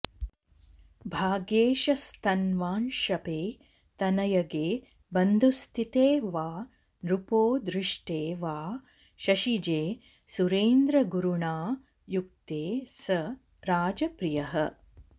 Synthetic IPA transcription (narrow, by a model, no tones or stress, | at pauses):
bʱaːɡeːʃɐst̪ʰɐnʋaːnʃɐpeː | t̪ɐnɐjɐɡeː | bɐnd̪ʱust̪ʰit̪eːʋaː | nɾupoːd̪ɾɪʂʈeːʋaː | ʃɐʃid͡ʒeː | suɾeːnd̪ɾɐɡuɾuɳaː | jukt̪eːsɐ | ɾaːd͡ʒɐpɾijɐɦɐ